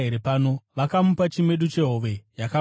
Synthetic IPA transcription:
eɾepaːno̞ʋakamupat͡ʃime̞ɗut͡ʃe̞ɦoʋe̞jaka

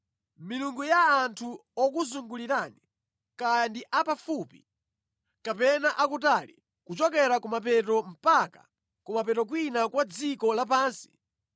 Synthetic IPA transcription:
miluŋɡujaːntʰuɔkuzuŋɡuliɾani | kajandiʔapafupḭ | kapɛnaʔakut̬alḭ | kut͡ʃɔkɛɾakumap̬ɛt̬ɔm̩pakḁ̰ | kumapɛtɔk̬winakwad͡zikɔlap̬aːnsi̥

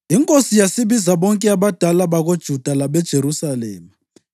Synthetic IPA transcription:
iŋkʼosijasiβizaβɔŋkʼɛaβad̥ʱalaβaɣod̥ʒ̥ʱud̥ʱalaβɛd̥ʒ̥ʱeɾusalɛːma

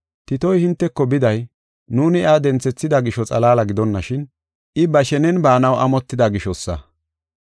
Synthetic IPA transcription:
t̪ɪt̪ɔjhɪnt̪ːɛkːɔbɪd̪ɐj | nuːnɪad̪ɛnt͡sːɛt͡sːɪd̪ɐɡɪʃɔt͡sʼɐlaːlɐɡɪd̪ɔnːɐʃɪn | ʔɪbɐʃɛnɛnbaːnɐwʔɐmɔt̪ːɪd̪ɐɡɪʃɔsːɐ̰

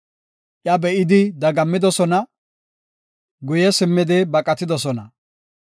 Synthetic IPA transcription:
ʔjɐbɛʔɪd̪ɪd̪ɐɡɐmːɪd̪ɔsɔnɐ | ɡʊjɛsɪmːɪd̪ɪbɐkʼɐt̪ɪd̪ɔsɔnɐ

